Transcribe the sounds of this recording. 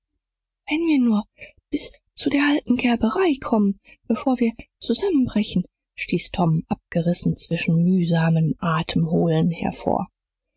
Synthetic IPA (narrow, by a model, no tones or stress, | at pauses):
vɛnviːɐnuːɐb̥ɪst͡sudeːɐʔaltn̩ɡɛɐbəʁaɪkʰɔmənb̥əfoːɐviːɐt͡suzamənbʁɛçn̩ | ʃtiːstʰɔmʔap̚ɡ̥əʁɪsn̩t͡sv̥ɪʃn̩myːzaːməmʔaːtʰəmɦoːlənhɛ̰ɐfo̰ːɐ